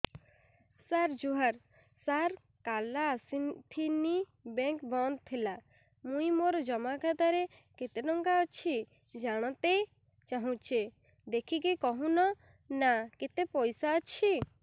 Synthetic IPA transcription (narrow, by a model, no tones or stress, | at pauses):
saɾd͡ʒuɦaɾ | saɾ | kalaːsit̪ʰini | beŋkbɔnd̪̚t̪ʰila | mũj̃moɾɔd͡ʒɔmakʰat̪aɾe | ket̪eɖɔŋkaɔt͡ʃʰi | d͡ʒaɽ̃ɔt̪e | t͡ʃaɦũt͡ʃʰe | d̪ekʰik̬ikɔɦũnɔ | naket̪epɔjsaːt͡ʃʰi